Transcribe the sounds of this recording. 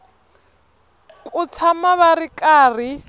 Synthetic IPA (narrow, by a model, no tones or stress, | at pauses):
kʼʊt͡sʰamaβarikʼaːri